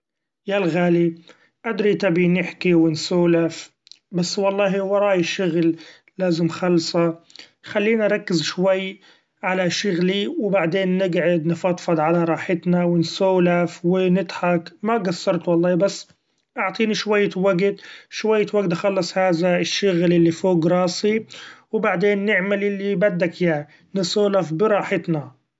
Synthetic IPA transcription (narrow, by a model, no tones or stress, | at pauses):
jalɣaːli | ʔad̪ɾit̪abinɪħkiwɪnsoːlaf | basːwɑlˤːɑːɦiwɑɾˤɑːjʃʊɣlː | aːzɪmxɑlːsˤɑ | xalːiːnaʔɾˤɑkːɪzʃwajː | ʕalaʃʊɣliwɪbaʕd̪eːnːɪɡʕɪd̪nɪfɑt̪ˤfɑd̪ˤʕalaɾˤɑːħɪt̪nawɪnsoːlafwɪnɪt̪ħakmaɡasːɑɾˤt̪wɑlˤːɑːbasː | ʔɑʕt̪ˤiːniʃwajːawaɡt̪ʃwajːwaɡt̪ʔxɑlːɑsˤhaːðaɪʃːʊɣlʔɪlːifoːɡɾˤɑːsiwbaʕd̪eːnːɪʕmalʔɪlːibad̪ːakja | nɪsoːlafbɪɾˤɑːħɪt̪na